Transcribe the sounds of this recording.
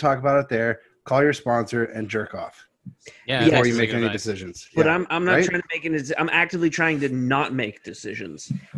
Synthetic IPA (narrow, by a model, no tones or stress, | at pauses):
tʰɔkəbaʊɾɨt̪̚ðə˞ | kʰɔlˠjə˞spɑ̃nsə˞ɨ̰̃nd͡ʒɜ˞kɔf | æə˞jɨmeɪkɛnidɨsɪʒɨ̃nz̥jb̥ʌɾãɪ̃mãɪ̃mnətʰɹ̥aɪɪ̃ŋtmeɪkɛnisã̰ɪ̃mʔæk̚tɨvlitʰɹ̥aɪɪ̃ŋtɨnət̚meɪk̚d̥ɨsɪʒɨ̰̃nz̥